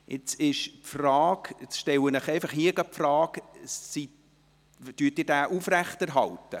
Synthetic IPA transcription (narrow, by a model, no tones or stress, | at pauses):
ʔɪt͡sɪʃpfrɑːkɪt͡sʃtɛwənəχɛɪfɑχhiəɡɑpfrɑːksit | tyːtiːɾdæːʔufræχtɛɾɦɑltə